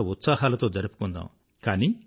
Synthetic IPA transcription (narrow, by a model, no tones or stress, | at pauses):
ɐut̪saːɦaːlɐt̪o̞ːd͡ʒɐɾipu̥kund̪a̰ːm | kaːniː